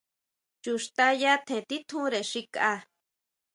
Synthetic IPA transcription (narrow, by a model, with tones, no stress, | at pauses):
t͡ʃu˨ʂt̪a˦ja˦t̪ʰẽ˨t̪i˦t̪ʰũ˦ɾe˨ʃi˧ka˧